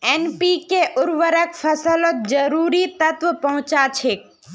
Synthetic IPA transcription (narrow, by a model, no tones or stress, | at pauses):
ɛːnpikeʔʊɾʋəɾəkfʰəsəlot̪̚d͡ʒəɾuːɾit̪ət̪ʋpɐɦʊ̃t͡ʃat͡ʃʰek̚